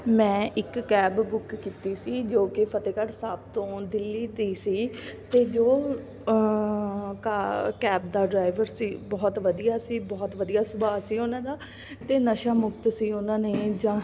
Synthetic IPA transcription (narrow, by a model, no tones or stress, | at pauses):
mɛ̃ːʔɪkːɛːbbʊkːiːt̪iːsiːd͡ʒoːkɪpʰət̪eːkəʈsaːbt̪õːd̪ɪlːiːt̪iːsiːt̪eːd͡ʒoː | kakɛːb̚d̪aːɖɾaːɪʋəɾsiːbɔːt̪ʋəd̪ijaːsiːbɔːt̪ʋəd̪ijaːsʊbaːsiːʊnãːd̪aː | t̪eːnəʃaːmʊkt̪siːʊnãːneːd͡ʒãː